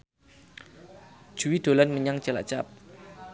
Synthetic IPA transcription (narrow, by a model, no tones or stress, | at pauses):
d͡ʒ̥uwid̪̥o̤lanməɲaŋ̥t͡ʃəla̰ʔt͡ʃa̰p̚